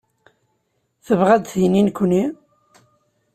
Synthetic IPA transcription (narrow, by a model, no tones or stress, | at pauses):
θəvʁæd̪θijninkʷːni